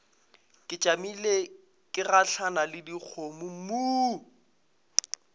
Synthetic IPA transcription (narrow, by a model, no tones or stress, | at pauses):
kʼɪt͡ʃʼamile | kʼɪraɬʰanalɪdik͡xʰomʊmuː